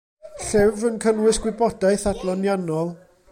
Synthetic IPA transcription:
ɬɪvənkʰənwɪsɡ̥wɪbɔdaɨθadlˠɔnjanɔlˠ

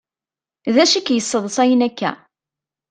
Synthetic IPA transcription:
ðæʃikːjəsˤːəðˤəsˤæjənækːæ̰

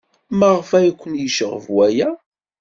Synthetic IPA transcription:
məʁfæjkʷːənjəʃəʁə̰vwæjæ

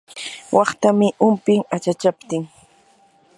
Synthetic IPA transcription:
wʔɑχt̪amɪʔʊmpɪŋat͡ʃat͡ʃapt̪ɪŋ

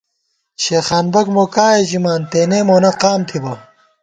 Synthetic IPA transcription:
ɕeːxaːnbɐkmoːkaːeʑimaːnt̪eːnemoːnɐqaːmt̪ʰibɐ

